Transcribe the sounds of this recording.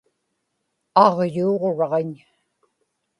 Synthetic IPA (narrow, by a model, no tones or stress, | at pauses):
ɑʁjuːʁoɻɑʁeɲ